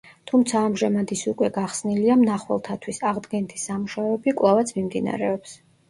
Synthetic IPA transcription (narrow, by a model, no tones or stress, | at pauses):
t̪ʰumt̪sʰaːmʒamad̪isukʼwɛɡaχsniliamnaχwɛ̰lˠt̪ʰat̪ʰwisaʁd̪ɡɛnt̪ʰisamuʃaɛbikʼwlˠavat̪sʰmimd̪ina̰ɾɛɔps